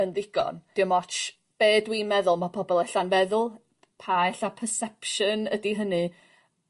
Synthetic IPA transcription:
ənðɪɡ̥ɔ̰nd̥ɪwmɔt͡ʃ | b̥eːdwimɛðʊlˠmapʰɔbɔlˠɛɬanvɛðʊlˠ | pʰaɛɬapʰəsɛpʃənədiɦənɨ

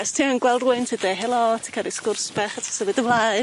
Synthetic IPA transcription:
ɛstʰiənɡwɛlˠdrʊɨntʰidɛɦɛlˠɔtʰikʰalˠiskʊrsb̥aχatʰḁsəvɨdəvlˠaj

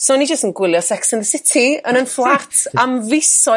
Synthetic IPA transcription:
sonid͡ʒəstənɡwɪlˠjɔsɛksənðəsɪtʰiənənflˠartʰamvɪsɔ

